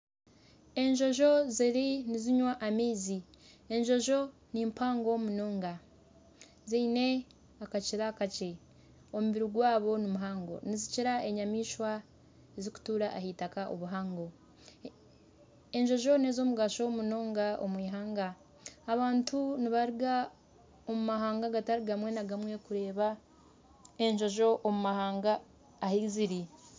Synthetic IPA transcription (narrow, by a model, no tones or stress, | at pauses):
e̞ɲʒo̞ʒo̞ziɾiniziɲwaʔːmiːzi | e̞ɲʒo̞ʒo̞ | nimpaːŋɡomunoːŋɡa | ziine̞ | akaciɾakace | omuβiɾiɡwaːβo̞nimuɦaːŋɡo̞̰niziciɾae̞ɲamiːʃwa | eziku̥tuːɾaʔahitakaʔo̰βuɦaːŋɡo̞ | eɲʒo̞ʒo̞ne̞ːzo̞ːmuɡaʃo̞muno̞ːŋɡao̰mwiːɦaːŋɡaː | βaːntuniβaɾiɡa | omumaɦaːŋɡaɡataɾiɡamwe̞naɡamwe̞kuɾe̞ːβa | e̞ɲʒo̞ʒo̞ʔomumahaːŋɡaː | hiziɾi